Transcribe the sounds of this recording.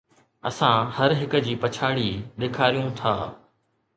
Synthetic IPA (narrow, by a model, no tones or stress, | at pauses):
ɐ̰sãhɐɾɦɪkə̆d͡ʑiːpɐt͡ɕʰaːɽiːɗ̪eːkʰaːɾijũt̪ʰa̰ː